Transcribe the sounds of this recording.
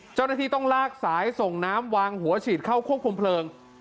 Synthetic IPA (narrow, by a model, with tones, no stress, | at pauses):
t͡ɕaː˥˩wnaː˥˩iː˥˩t̪ɔ˥˩ŋlaː˥˩k̚saː˩˦jso˨˩ŋnaː˦˥mwaː˧ŋhu˩˦ɐt͡ɕʰiː˨˩t̪̚kʰa˥˩wkʰu˥˩p̚kʰu˧mpʰlɤː˧ŋ